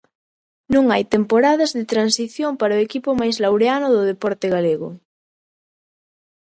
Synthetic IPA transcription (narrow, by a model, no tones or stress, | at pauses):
nũŋajt̪empoɾaðazðɪt̪ɾansiθjompaɾoekipʊmajzlawɾeanʊðʊðepɔɾt̪ɪɣaleɣʊ̰